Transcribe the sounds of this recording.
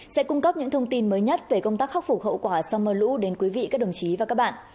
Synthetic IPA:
sɛ̰˧˥kʊ˧ŋ͡mkə˦˥p̚ɲɨ̰˧˥ŋt̪ʰə˧wŋ͡mt̪i˧nməː˨˦jɲə˦˥t̚ve˨˩kə˧wŋ͡mt̪aː˦˥k̚xa˦˥k͡p̚fu˨˩hə̰˧˨wkwaː˧˩sa˧wməː˧˩lṵ˧˥ɗe˨˦nkwi˨˦vḭ˧˨ʔkaː˦˥k̚ɗə˨˩wŋ͡mt͡ɕi˨˦vaː˨˩kaː˦˥ɓa̰ː˧˨n

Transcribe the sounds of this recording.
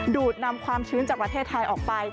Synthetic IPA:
duː˨˩t̪̚na˧mkʰwaː˧mt͡ɕʰɯː˦˥nt͡ɕaː˨˩k̚pɾa˧t̪ʰeː˥˩t̪ʰːa˧jʔɔː˨˩k̚pa˧j

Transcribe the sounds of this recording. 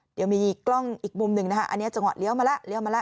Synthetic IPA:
di˧wmiː˧˨˩kːlɔ˥˩ŋʔi˨˩k̚mu˧mnɯ˨˩ŋna˦˥kʰa˦˧˥ʔa̰˧nː˦˥ɐt͡ɕa˧ŋwa˨˩t̪̚li˦˥əwmaː˧la˦˥ʔli˦əwmaː˧la˦˥˩ʔ

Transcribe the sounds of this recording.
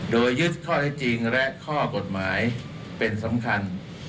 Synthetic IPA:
doː˧jːɯ˦˥t̪̚kʰɔː˥˩t̪ʰɛ˦˥˩t͡ɕi˧ŋlɛ˦˥ʔkʰɔː˥˩ko˨˩t̪̚maː˩˦j | pe˧nsa˩˦mkʰa˧n

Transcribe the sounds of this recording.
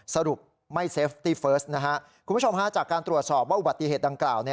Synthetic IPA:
sa˧du˨˩k̚ | ma˥˩jse˦˥f̚t̪iː˥˩fɤː˦˥s̚na˦˥kʰa˦˥ʔku˧mʰː˦˥t͡ɕʰo˧mkʰa˦˥t͡ɕaː˨˩kːaː˧nt̪ɾu˨˩ət̪̚sɔː˨˩p̚waː˥˩ʔu˨˩ba˨˩t̪ːi˨˩ɦeː˨˩t̪̚da˧ŋklaː˨˩wni˥˩

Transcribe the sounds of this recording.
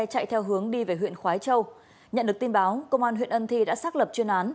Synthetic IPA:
jt͡ɕa̰˧˨jt̪ʰɛ˧wɦɨ˨˦əŋɗi˧ve˨˩ɦwḭ˧˨ənxwaː˨˦jt͡ɕə˧w | ɲə̰˧˨nɗɨ˨˩əkt̪i˧nɓaː˨˦wkə˧wŋ͡mʔaː˧nɦw̰ənʔə˧nt̪ʰi˧ɗa̰ː˧˥saː˦˥k̚lə˨˩p̚t͡ɕwi˧ənʔaː˨˦n

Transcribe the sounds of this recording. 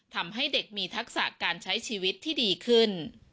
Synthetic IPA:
t̪ʰa˧mɦa˥˩jde˨˩k̚miː˧t̪ʰa˦˥k̚sa̰˨˩kaː˧nt͡ɕʰa˦˥jt͡ɕʰiː˧wi˦˥t̪ʰːiː˥˩diː˧kʰɯ˥˩n

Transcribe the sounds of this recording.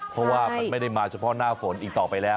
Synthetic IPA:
pʰɔ˦˥waː˥˩ma˧nm˥˩jda˥˩jmaː˧t͡ɕʰa˧˥pʰɔ˦˥naː˥˩fo˩˦nʔiː˨˩k̚t̪ɔː˨˩pa˧jlɛː˦˥

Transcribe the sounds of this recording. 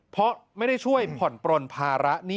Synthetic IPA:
pʰɔ˦˥ma˥˩jda˥˩jt͡ɕʰu˥˩əjpʰɔ˨˩npɾo˧npʰaː˧ɾa˦˥ʔniː˥˩

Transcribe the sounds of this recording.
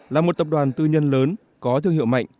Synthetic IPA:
laː˨˩mo˨˩t̚t̪ə˨˩p̚ɗwaː˨˩nt̪ɨ˧ɲə˧nləː˨˦n | kɔ˨˦t̪ʰɨ˧əŋḭ˧˨əwma̰˧˨jŋ̟

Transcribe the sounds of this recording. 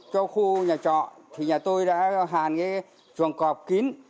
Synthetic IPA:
t͡ɕɔ˧xu˧ɲaː˨˩t͡ɕɔ̰˧˨nt̪ʰi˨˩ɲaː˨˩t̪o˧jɗa̰ː˧˥ɦaː˨˩nkaː˨˦ | t͡ɕwə˨˩ŋkɔ˨˩p̚ki˨˦n

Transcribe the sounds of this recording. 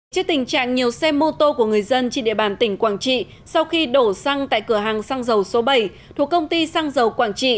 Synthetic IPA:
t͡ɕɨ˦˥k̚t̪ï˨˩ŋ̟t͡ɕa̰ː˧˨ŋɲi˨˩əwsɛ˧mo˧t̪o˧ku˧˩əŋɨ˨˩əjzə˧nt͡ɕe˧nɗḭ˧˨ɓaː˧˨˩nt̪ï˧˩ŋ̟kwaː˧˩ŋt͡ɕḭ˧˨ | sa˧wxi˧ɗo˧˩sa˧ŋt̪a̰ː˧˨jkɨ˧˩əɦaː˨˩ŋsa˧ŋzə˨˩wso˨˦ɓə˧˩j | t̪ʰu˨˩əkə˧wŋ͡mt̪i˧sa˧ŋzə˨˩wkwaː˧˩ŋt͡ɕḭ˧˨

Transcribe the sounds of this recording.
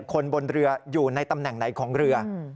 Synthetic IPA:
kʰo˧nbo˧nɾɯ˧ɐjuː˨˩na˧jt̪a˧mnɛ˨˩ŋna˩˦jkʰɔː˩˦ŋɾɯ˧ɐ

